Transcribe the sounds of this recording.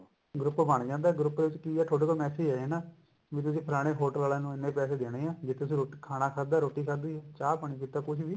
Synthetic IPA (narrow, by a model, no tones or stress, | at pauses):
ɡɾʊpːbəɳd͡ʒãːnd̪aːɡɾʊpːd̪eːʋɪt͡ʃkiːɛːʈʰoːɽeːkoːmɛːsiːɛːɛːnaː | ʋiːt̪ʊsĩːpʰəɾaːɽ̃eːɦoːʈəlaːlãːnũːɪnːẽːpɛːseːd̪eːɽẽːãːd͡ʒɪt̪ʰːet̪ʊs̬ĩːɾoːikʰaːnaːkʰaːd̪aːɾoːʈːiːkʰad̪iːɛt͡ʃaːpəɳ̃ĩːk̬iːt̪ːaːkʊʃʰʋiː